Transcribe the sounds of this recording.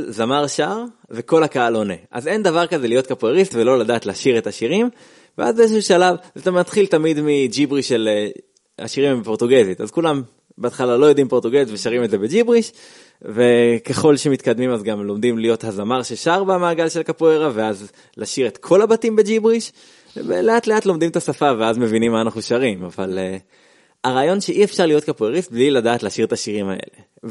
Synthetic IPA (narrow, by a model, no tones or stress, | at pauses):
zamaʁʃaʁve̞ko̞lhakaalo̞ne̞̰ʔa̰ze̞nd̪avaʁkaze̞lijo̞t̚kapueʁist̪velo̞ladaːtlaʃiʁetaʃiʁim | veʔazjeʃ̬uʃalavzet̪amat̪χiltamid̪mid͡ʒibʁiʃel | a̰ʃiʁimmpo̞ʁt̪uɡezitazkulam | beat̪χalalo̞jo̞d̪impo̞ʁt̪uɡezitveʃaʁimetze̞be̞d͡ʒibʁiʃ | ve̞ke̞χo̞lʃe̞mit̪kad̪mimazɡamlo̞md̪imlijo̞thazamaʁʃelʃaʁbamaːɡalʃe̞lkapueʁave̞az | laʃiʁe̞t̪kʰo̞labatimbe̞d͡ʒibʁiʃ | bḛleatle̞atlo̞md̪imt̪asafaveazme̞vinimːaːnaχnuʃaʁimaval | aʁaːjo̞nʃeʔiefʃaʁlijo̞t̚kapueʁist̪̚bliladaːtlaːʃiʁt̪aʃiʁimaʔḛle̞